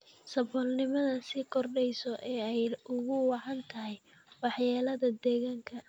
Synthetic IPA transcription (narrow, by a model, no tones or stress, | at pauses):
sɐbɔːlnɪmɐðɐsɪkʰɔrɖɛjsɔʔɛːɛjʊɣʊwɑʕɑnt̪ʰɐɦɛj | wɑħjaːlɐðɐd̪ɛːɣaːŋkʰɐ